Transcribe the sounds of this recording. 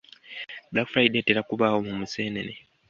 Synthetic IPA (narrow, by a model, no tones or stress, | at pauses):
blakfɾajdeteɾakuβaːwomumuseːnḛne